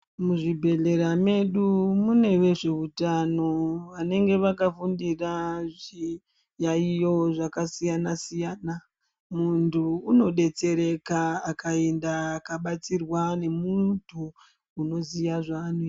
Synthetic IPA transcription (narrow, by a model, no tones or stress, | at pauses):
muʐibʱe̞ɮe̞ɾame̞ɗumune̞we̞ʐe̞ʋutano̞ʋane̞ŋɡe̞ʋakafundiraʐi | jaijo̞ʐakasijanasijaːna | muntʰuːno̞ɗe̞t͡se̞ɾe̞kaːkʰaendaːkaɓat͡sirwane̞muntʰuː | no̞zijaʐanu